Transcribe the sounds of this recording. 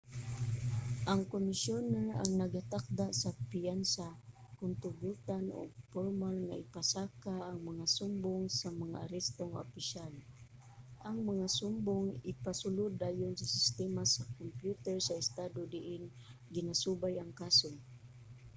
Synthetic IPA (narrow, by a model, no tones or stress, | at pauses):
ʔaŋkomɪsjonaa̰ŋnaɡat̪ak̚d̪aʔsapijansa | kʊnt̪ʊbut̪ano̰ɡpoɾmalŋa̰ʔɪpasakaːŋmaŋasʊmbʊŋsamaŋa̰ʔaɾɛst̪oŋopɪʃal | ʔaŋmaŋasʊmbʊŋɪpasʊlʊd̪ajʊnsasɪst̪ɛmasakompjut̪ɛɹsaɪst̪ad̪od̪ɪʔɪn | ɡɪnasubajaŋkasʊŋ